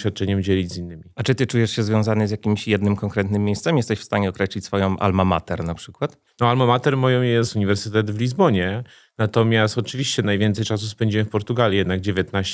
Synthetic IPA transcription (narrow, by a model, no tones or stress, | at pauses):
fʲat̪̚t͡ʂɛɲɛmd͡ʑɛlʲid͡ʑzinːɘmʲiat͡ʂɨt̪ɘt͡ʂujɛʂɕɛzvʲjɔ̃w̃zanɘzʲjakʲimɕjɛd̪nɘmkɔŋkɾɛt̪nɘmʲːjejst̪sɛmʲjɛst̪ɛɕfst̪aɲɛɔkɾɛɕlʲit͡ɕʲsfɔjɔ̃w̃ʔa̰lmama̰t̪ɛɾnapʂɘkwat̪ | nɔalmamat̪ɛɾmɔjɔ̃wjɛst̪uɲivɛɾsɘt̪ɛd̪vlʲizbɔɲɛ | nat̪ɔmʲjast̪ɔt͡ʂɘvʲiɕt͡ɕɛnajvʲjɛnsɛjt͡ʂasuspɛɲd͡ʑimɘfpɔɾt̪uɡalʲjijɛd̪naɡ̚d͡ʑevʲjɛt̪naɕ